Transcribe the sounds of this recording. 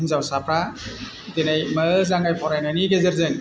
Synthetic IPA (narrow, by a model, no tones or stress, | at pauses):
nzawsapʰɾa | denajmɯzaŋɡajpʰɔɾajnaniɡezeɾzɯn